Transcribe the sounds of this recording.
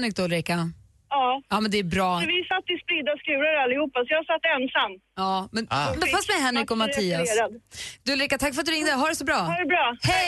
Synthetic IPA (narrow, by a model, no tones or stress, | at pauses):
nɾɪk̚d̪ɔlɾɪka | ɑːɑːmɛnd̪ɛæɾbɾɑːɔvɪsat̪ːɪspɾiːd̪askɾʉ̟ːlaɾalːɪhuːpːasɔjaːhasat̪ːɛnsamː | ɑːmɛnmɛnfast̪mɛɦɛnɾɪkɔmat̪ʰiːasɾad̪d̪ʊlɾɪkːat̪ʰakːfœɾat̪d̪ɵɾɪŋd̪əɦaɖɛsɔbɾɑːhɖbɾɑːhɛ